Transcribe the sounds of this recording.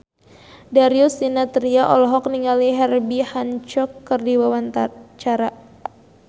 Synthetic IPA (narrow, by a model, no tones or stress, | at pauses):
daɾiusdinat̪ɾiaʔɔ̰lɔɦɔk̚niŋaliɦɛrbihant͡ʃɔkːɨrdiwawant̪t͡ʃaɾa